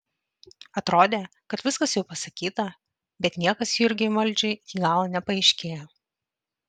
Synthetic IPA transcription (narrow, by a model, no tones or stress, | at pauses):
ɐt̪ɾoːd̪ʲeː | kɐt̪ʋʲɪskɐsjɛʊpɐsɐkʲiːt̪ɐ | bʲɛt̪nʲiɛkɐsjuɪɾʲɡʲɪmɐlʲˑd͡ʒʲɛɪjʲiːɡɑːlˠɐnʲɛpɐɛɪʃʲkʲeːjɛ